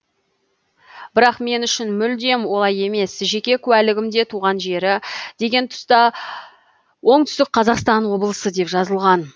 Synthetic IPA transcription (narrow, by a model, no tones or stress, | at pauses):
b̥ɪɾɑqme̞nʏʃɪnmʏld̪e̞mwo̞lˠɑje̞me̞sʒe̞kʲe̞kʲʰʉwælɪɡʲɪmd̪e̞t̪ʰuʁɑnʒe̞ɾɪd̪̥e̞ɡʲe̞nt̪ʰʊ̥st̪ɑ | wo̞ɴt̪ʰʏ̥st̪ɪk̚qʰɑzɑqst̪ɑnwo̞bəlˠəsəd̪e̞pʒɑzəlˠʁɑn